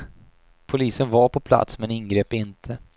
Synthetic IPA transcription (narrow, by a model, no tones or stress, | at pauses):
pʰʊliːsənvaɾpʰɔpʰla̰t̪smɛnɪnɡɾeːpɪnt̪ʰə